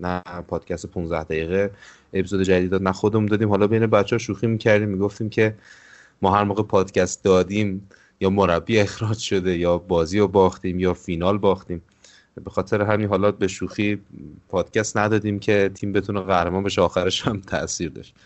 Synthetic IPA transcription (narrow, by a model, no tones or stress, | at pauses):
næpʰɒːd̪̥cʰæst̪epʰunzd̪æhd̪æɣiːɣe | epizod̪ed͡ʒæd̪id̪d̪ɒd̪næxod̪emund̪ɒːd̪imhɒːlɒːbe̞jnebæt̪t͡ʃːehɔʃuːximicʰæɾd̪iːmːiɡo̞ft̪iːmcʰe̞ | mɒːɦæɾmoːɣepʰɒːd̪̥cʰæst̪̚d̪ɒːd̪iːm | jɒːmoɾæbːiːexɾɒd͡ʒʃo̞d̪e̞jɒːbɒːziːobɒːxt̪iːmjɒːfinɒːlbɒːxt̪iːm | be̞xɒːt̪ʰe̞ɾeɦæminɦɒːlɒbe̞ʃuxipʰɒːd̪̥cæst̪næd̪ɒːd̪iːmcʰe̞t̪ʰiːmbet̪ʰuneɣæhɾemɒːnbe̞ʃeɒːxæɾeʃhæmt̪ʰæ̰ʔsiːɾd̪ɒ̰ʃt̪